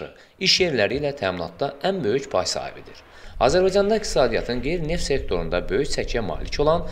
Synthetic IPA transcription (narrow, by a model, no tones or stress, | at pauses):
ɯ̰ | iʃje̞ɾlæɾiːlæt̪ʰæːminɑ̰t̪̚d̪ɑʔænbø̞jycpʰɑjsɑ̰ːhḭbḛd̪iɾ | ɑ̰ːzæɾbɑjd͡ʒɑnd̪ɑikt̪i̥sɑːd̪ijɑ̰t̪ʰɯnɡe̞jɾine̞ft̪se̞k̚t̪ʰo̞ɾund̪ɑbø̞jycsʰæcʰjæmɑ̰ːlicʰo̞lˠɑn